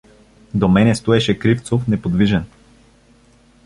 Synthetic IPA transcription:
d̪omɛnɛst̪oɛʃɛkɾift̪sofnɛpod̪viʒɛn

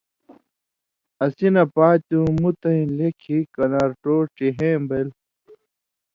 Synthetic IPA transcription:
ɐsinɐpaːt͡ɕũmut̪ɐĩlekʰikɐnaːɾʈoːʈiɦẽːmbel

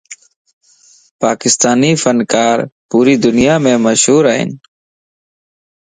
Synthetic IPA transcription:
paːkɪst̪aːniːfənkaːɾpuːɾiːd̪ʊnɪjaːmẽːməʃɦuːɾaːɦɪ̰n

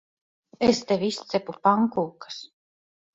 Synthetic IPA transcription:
est̪evʲist̪sɛpupaŋkuːkḁs

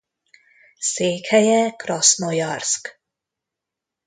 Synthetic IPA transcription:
seːkhɛjɛkrɒsnojɒrsk

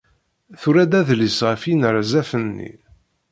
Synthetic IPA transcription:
θuɾæd̪æðlisʁəfinəɾzæfənːḭ

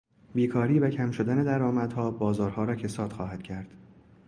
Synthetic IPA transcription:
biːkʰɒːɾiːvæcʰæmʃo̞d̪æne̞d̪æɾɒːmæd̪̥hɒːbɒːzɒːɾhɒːɾɒːcʰe̞sɒːt̪xɒːhæd̪̥cʰæɾd̪̥

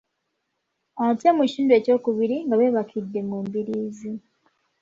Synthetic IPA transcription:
otemucʃuːndwe̞ːco̞ːkuβiɾiŋɡaβe̞ːβakʰidːe̞muːmbiɾiːzi

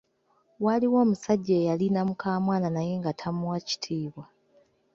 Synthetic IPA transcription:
waliwo̞ːmusaɟːeːjalinamukaːmwaːnanaje̞ŋɡatʰamuwaci̥tʰiːβwa

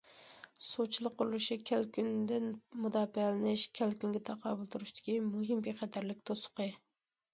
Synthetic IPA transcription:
sot͡ʃʰilˠəqʰːʊɾulˠuʃikʲʰælkʲynd̪ɪnmud̪ɑːpɛlɪnɪʃkʲʰælkʲyŋɡʲɪt̪ʰɛqʰɑːbulˠt̪ʰuɾuʃt̪ʰɪ̥kʲimuɦɨmbeχɛt̪ʰæɾlɪk̚ʲt̪ʰosʊ̥qə

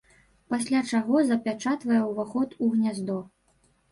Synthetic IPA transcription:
pasʲlʲat͡ʂaɣɔzɐpʲat͡ʂat̪vɐjɛwvaxɔt̪uɣnʲazd̪ɔ

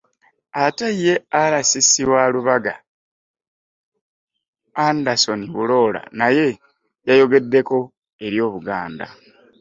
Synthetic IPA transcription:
ataije̞alasisiwaluβaɡa | andaso̞niβulo̞ːla̰naje̞ | jajo̞ɡe̞dːe̞ko̞ | e̞ɾjo̞ːβuɡaːnda̰

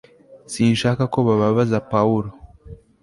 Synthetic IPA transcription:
siːnʃaːkakoβaβaβazapauɾo

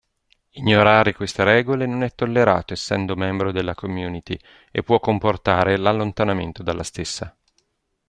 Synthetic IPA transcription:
iɲːoɾaːɾekwest̪eɾɛːɡolenonɛt̪ːolːeɾa̰ːt̪oesːɛ̰nd̪omɛmbɾod̪elːakomjuːnit̪i | ḛpːwɔkːomport̪aːɾelalːont̪anament̪od̪alːast̪esːa

